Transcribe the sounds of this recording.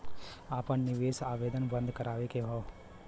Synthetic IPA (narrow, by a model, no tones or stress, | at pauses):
aːpənnɪʋeːsaːʋeːd̪ənbə̃nd̪ʱkɐɾaːʋekeɦɔː